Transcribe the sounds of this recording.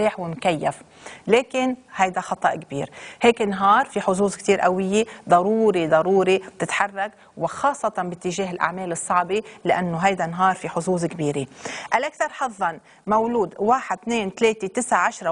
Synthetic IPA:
iːħwɪmkajːaf | leːkɪnhajd̪axɑt̪ˤɑʔkbḭːɾheːkɪnɦɑːɾˤfiħʊzuːzkt̪iːɾʔawɪjːed̪ˤɑɾuːɾid̪ˤɑɾuːɾib̚t̪ɪt̪ħɑrˤːɑk | wɪxɑːsˤːɑt̪ɑbɪt̪ːɪʒeːɦɪlʔa̰ʕmeːlɨsˤːɑʕbilɪʔanːoɦajd̪anɦɑːɾˤfiħʊzuːzkbiːɾeʔalʔakθɑɾˤħɑðˤːɑn | mawluːd̪waːħɪd̪̚t̪neːnt̪leːt̪et̪ɪsʕaʕaʃɾˤɑ

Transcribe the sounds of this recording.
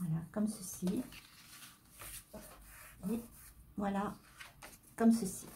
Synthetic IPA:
vwalakɔmsəsi | evwala | kɔmsəsi̥

